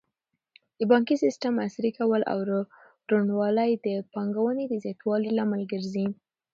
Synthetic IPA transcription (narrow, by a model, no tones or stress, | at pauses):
d̪̥əbɑŋkisistəmasɾikawəlʔa̰w | ɾunwɑləjd̪əpɑŋɡawəned̪əzjɑt̪wɑlilaməlɡəɾzi